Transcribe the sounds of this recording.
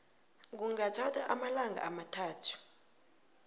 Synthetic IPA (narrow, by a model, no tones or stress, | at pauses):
k̬uŋatʰatʰaʔamalaŋɡʱa̰amatʰaːtʰu̥